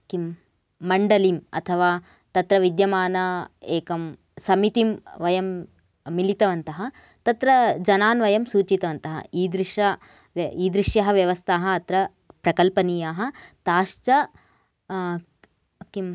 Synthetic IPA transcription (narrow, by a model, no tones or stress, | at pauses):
kimː | ɐɳɖɐlimɐ̰t̪ʰɐʋaː | t̪ɐt̪ɾɐʋid̪jɐmaːnɐeːkɐm | sɐmit̪imʋɐjɐmː | ilit̪ɐʋɐnt̪ɐɦɐ | t̪ɐt̪ɾɐd͡ʒɐnaːnʋɐjɐmsuːt͡ʃit̪ɐʋɐnt̪ɐɦɐ̰iːd̪ɾiʂɐ | ʋiːd̪ɾiʂjɐɦɐ̆ʋjɐʋɐst̪ʰaːɦɐːt̪ɾɐ | pɾɐkɐlpɐniːjaːɦɐ̆t̪aːʃt͡ʃɐ | kim